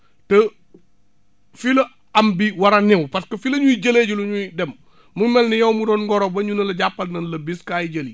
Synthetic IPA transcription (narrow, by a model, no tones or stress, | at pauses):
tə | filɐ | ɐmbiwɐɾɐnɛwpɐskɐfilɐɲujɟɐleːɟuluɲudɛm | mumɛlnijɐwmuɾɔnɡɔɾobɐɲunɐlɐɟapːɐlnɐnlɐbiskaːjiɟɐli